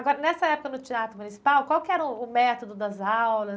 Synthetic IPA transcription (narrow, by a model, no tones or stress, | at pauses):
aɡɔɾɐnɛsɐɛpʊkɐnʊt͡ʃiat̪ɾʊmunisi̥pawkwawkɪɛɾɐːmɛt̪od̪ʊd̪ɐzawlɐ